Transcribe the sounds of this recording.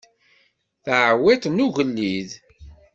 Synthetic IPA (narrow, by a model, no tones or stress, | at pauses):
θʕwit̪nuʝəlːið